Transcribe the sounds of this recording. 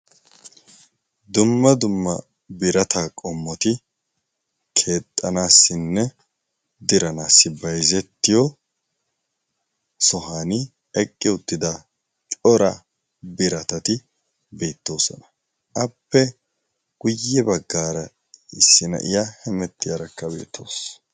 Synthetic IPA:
d̪ʊmːɐd̪ʊmːɐ | bɪɾɐt̪ʰaːkʼɔmːɔt̪ɪ | kʰe̞ːt̪ʼːɐnaːsːɪnːɛ | d̪ɪɾɐnaːsːɪbɐjzɛt̪ːɪjɔ | sɔɦaːnɪ | ɛkʼːɪʊt̪ːɪd̪ɐ | t͡ʃʼɔɾɐ | bɪɾɐt̪ɐt̪ɪ | be̞ːt̪ːo̞ːsɔ̰nɐ | ʔɐpːɛ | ɡ̥ʊjːɛbɐɡːaːɾɐ | ɪsːɪnɐ̰ʔɪjahɛmɛt̪ːɪjɐɾɐkːɐbḛːt̪ʰːo̞ːs

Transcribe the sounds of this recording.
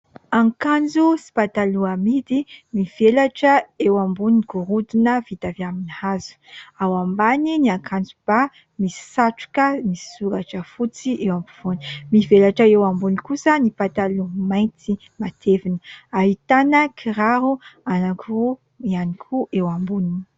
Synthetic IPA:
aŋkand͡zusi̥pat̪aluamid̪imiv̥elaʈ͡ʂəewambuniɡ̥uɾud̪inəvit̪avjaminihazu̥awambaniniaŋkʰand͡zub̥a | misi̥saʈ͡ʂu̥kəmisi̥suɾaʈ͡ʂəfut͡siʔewambuv̥onimivelaʈ͡ʂəewambunikusənipat̪alumajt͡si | mat̪ʰevinəaɦit̪anəkʰiɾaɾuanakʰu | ianikʰuʔewambunini

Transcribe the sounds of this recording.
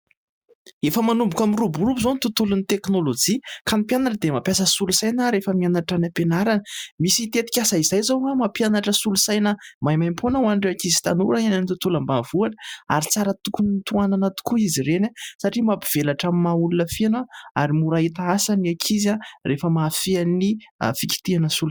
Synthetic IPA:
efəmanumbukʲamirubuɾubizonit̪ut̪ulunit̪eknolod͡ʒikanipjanaʈ͡ʂəd̪emapjasəsulusajnəɾefəmianaʈ͡ʂanəpenaɾanəmisit̪et̪i̥kʲasaizajzawamapjanaʈ͡ʂəsulusajnəmajmajmpʰonəwanɖ͡ʐakizi̥t̪anuɾainanit̪ut̪ulambavuaʈ͡ʂə̥a̰ɾit͡saɾət̪ukunt̪uananat̪u̥kuiziɾenasaʈ͡ʂimapiv̥elaʈ͡ʂammaulunəfianaa̰ɾimuɾaɦit̪aasaniakʰizarefəmafianḭfikʲi̥t̪ianəsul

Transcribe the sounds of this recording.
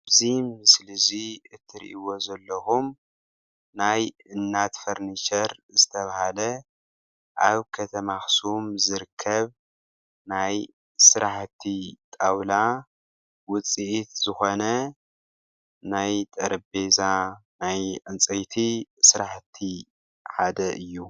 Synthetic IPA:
bzimɨslɨziɨt̪ʰːɨɾḭʔiwo̞zɐlːɐxum | naj | ɨnːat̪fɐɾniʃɐɾzɨt̪ʰɐβahalɐ | ʔaβkʰɐt̪ʰɐmaxsumzɨɾɨkʰːɐβ | naj | sɨɾʔaħt̪ʰːit̪ʼawla | wʊt͡sʼiʔit̪z̥ɨxo̞nɐ | najt̪ʼɐɾɐbe̞zanajʔɨnt͡sʼɐjt̪ʰisɨɾaħt̪ʰi | ħad̪ɐʔɨjːu

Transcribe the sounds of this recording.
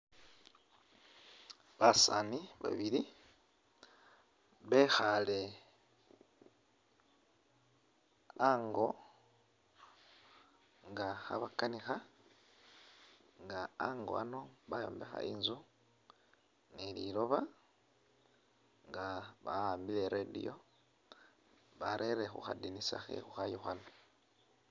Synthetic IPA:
βasaniβa̰βiɾi | βexale | aŋɡo̞ | ŋɡaxa̰βakanixa | ŋɡaaŋɡo̞̰ano̞βajo̞̰ːmbe̞xa̰ʔiːnzu | nililo̞βa | ŋɡaβaaːmbile̞ɾedḭjo̞̰ | βaɾʔeɾexuxadinisaxḛxuxajoxano

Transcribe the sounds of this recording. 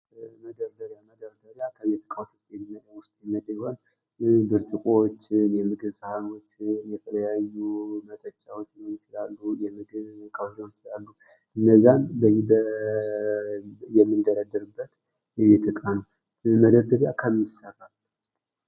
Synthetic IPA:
məd̪əɾd̪əɾjaməd̪əɾd̪əɾjakʰəɛt̪ʰɨ̥kʼawt̪u̥st̪ʼjɛmimːəd̪awʊst̪ʼjɛmːəd̪ʼjho̞n | bɨɾt͡ʃʼɨkʼot͡ʃːɪnjɛmɨɡɨβsɨhano̞t͡ʃːɪnjɛt̪ʰələjajːumət̪ʼət͡ʃʼːawot͡ʃːont͡ʃɪlalːujɛmɨɡɨβkʼəwzownt͡ʃɪlalːu | ʔɨnːəzːanbəjibə | jɛmːɨnd̪əɾəd̪ːəɾɨbːət̪ | jɛt̪ʰɨkʼan | məd̪əɾd̪əɾja̰kʰəmːisərːal

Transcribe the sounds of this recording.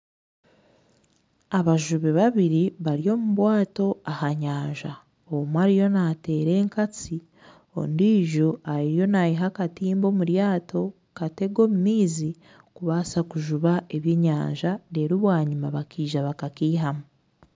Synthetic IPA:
aβaʒuβeβaβiɾiβaɾijo̞ːmuβwaːto̞ahaɲaːɲʒa | omwaɾijo̞nate̞ːɾe̞ːŋkat͡si | o̰ndiːʒuaɾijo̞najiɦakatiːmbo̞muɾjaːtʰo̞ | kate̞ɡo̞ːmumiːzi | kuβasakuʒuβae̞βje̞ːɲa̰ːɲʒaɾe̞ɾuβwaːɲumaβakiːʒaβakakiːɦamu

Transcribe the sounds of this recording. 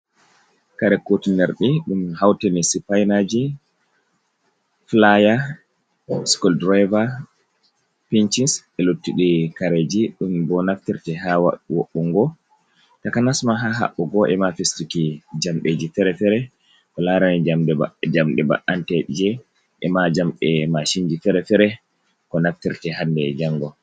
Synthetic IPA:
kaɾɛkːotinɛɾɗiɗumhawtenisipajnad͡ʒi | flaja | skɔldɾajva | pint͡ʃinsɛlotːiɗikaɾed͡ʒiɗumbɔnaftiɾtɛɦawa̰ɗuwoɓːuŋɡɔ | takanasmaɦaɦa̰ɓːɔɡɔʔɛmafestikid͡ʒamɓed͡ʒifɛɾɛfɛɾɛ | kɔlaɾanɛd͡ʒad͡ʒamɗɛba̰ʔantɛɗid͡ʒɛ | ʔɛmad͡ʒamɓɛmaʃind͡ʒifɛɾɛfɛɾɛ | kɔnaftiɾtɛhandɛd͡ʒaŋːɡɔ

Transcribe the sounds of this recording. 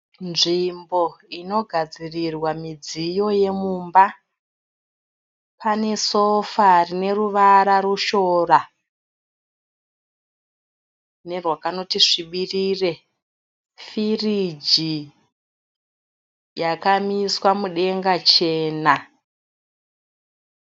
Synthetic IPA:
nʐimbo̞ino̞ɡʱad͡zirirwamid͡zijo̞je̞mumba | pane̞so̞farine̞ruʋaɾaɾuʃo̞ːra | ne̞rwakano̞tiʐiɓirire̞ | firid͡ʒi | jakamiswamuɗe̞ŋɡat͡ʃe̞ːna

